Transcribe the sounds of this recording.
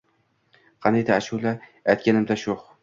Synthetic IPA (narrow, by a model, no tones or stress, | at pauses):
qʰɑned̪aːʃulaajt̪̚ʲkʲanɪmd̪aʃoχ